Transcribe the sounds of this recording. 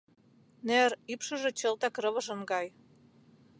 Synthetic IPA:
neripʃɤ̆ʒĕt͡ɕə̆lt̪ɑkrɤ̆βɤ̆ʒə̆nɡɑj

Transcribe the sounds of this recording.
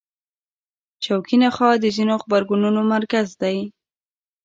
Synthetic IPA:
t͡ʃawkinaxɑd̪əzinoxbaɾɡununomaɾkazd̪aj

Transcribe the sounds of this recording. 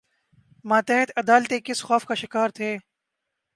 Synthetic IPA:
mãːt̪ɛɦɪt̪ʰɐd̪aːlt̪ekɪsxɔːfkaʃɪkaːɾt̪ʰeː

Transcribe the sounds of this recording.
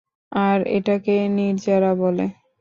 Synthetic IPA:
aɾḛʈakeniɾd͡ʑaɾabole

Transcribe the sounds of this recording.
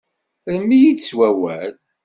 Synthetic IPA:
ðəmːijid̪swæwæl

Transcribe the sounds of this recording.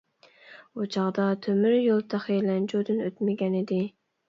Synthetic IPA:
ut͡ʃʰɑʁd̪ɑt̪ʰømyɾjolˠt̪ʰɑχelɛnd͡ʒod̪ɨnøt̪mɪɡʲɛnɪd̪ɪ

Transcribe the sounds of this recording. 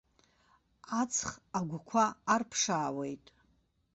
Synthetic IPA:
at͡sʰχaɡʷkʷʰaːrpʰʂaːwejtʼ

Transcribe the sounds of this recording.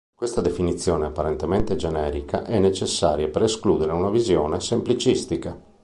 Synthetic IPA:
kwest̪ad̪efinit̪sːjɔːneapːaɾent̪ement̪ed͡ʒenɛːɾikaʔɛnːet͡ʃesːaːɾjapeɾeskluːd̪eɾeunavizjɔːnesemplit͡ʃist̪ika

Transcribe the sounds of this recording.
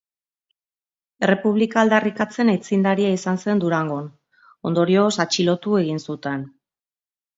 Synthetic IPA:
e̞re̞puβ̞likaːld̪arikat͡se̞nejt͡sind̪aɾiaisanse̞nd̪uɾaŋɡon | o̞nd̪o̞ɾio̞sat͡ʃilo̞t̪ue̞ɣinsut̪e̞n

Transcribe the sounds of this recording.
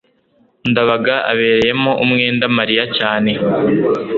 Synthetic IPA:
ndaβaɡaʔa̰βe̞ːɾe̞je̞moʔumŋeːndamaɾijacaːne̞

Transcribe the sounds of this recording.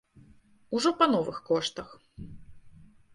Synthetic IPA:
uʐɔpɐnɔvɨxkɔʂt̪ɐx

